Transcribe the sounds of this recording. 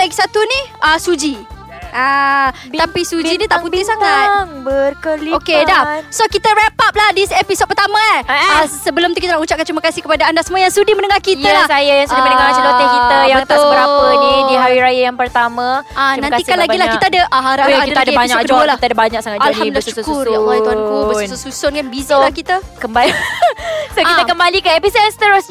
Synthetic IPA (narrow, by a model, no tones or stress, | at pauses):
laɡisat̪uniəsud͡ʒi | a | t̪apisud͡ʒinit̪aʔput̪ihsaŋat̪bəkəokedasokit̪əɾepap̚lahdisepisod̚pərt̪amãaasəbəlomt̪ukit̪anaʔut͡ʃap̚kant͡ʃuməkasihkəpadaandasəmuajaŋsudɪmənəŋahkitjəlasajajaŋsudamənəŋat͡ʃəlot̪ɪhkit̪əjaŋt̪asbəɾapənidiɦawiɾajajaŋpərt̪amãanãnikanlaɡilahit̪aːdəʔaaɾaaaakidəadaaɲakkəd͡ʒuəlt̪adabaɲak̚saŋaalhamdilʃukʊɾjalˠaiuɦankobəsosusʊnkanbizalahkit̪əkəmba | sokit̪əkəmbalikəepisod̚anst̪əɾos